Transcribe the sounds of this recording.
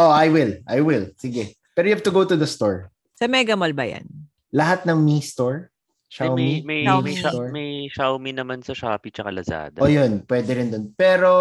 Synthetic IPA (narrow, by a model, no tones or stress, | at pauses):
ʔoʔajwɪlʔajwɪlsɪɡɛ | pɛːɾojʊhavt̪ʊɡowt̪ʊd̪ɐst̪oɹ | sɐmɛɡɐmɐlbɐ̰ja̰n | lɐɦat̪̚nɐŋmist̪oɹ | ʃawmijmɐjawmɐjʃaɹmɐjʃawminɐmansɐʃaːpit͡ʃɐkalɐsa̰ːd̪ʔojonpwɛːd̪ɛɾɪnd̪onpɛːɾo